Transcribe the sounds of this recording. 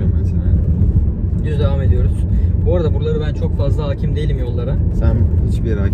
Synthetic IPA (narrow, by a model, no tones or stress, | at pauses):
ommeselʲæl | ɟyzd̪e̞vaːme̞d̪ijo̞ɾuz̥boɾad̪abuɾlˠaɾɯbænt͡ʃʰo̞kfazlˠaɦaːcʰimd̪e̞jilʲimjo̞lˠːaɾasænhit͡ʃbiɾaː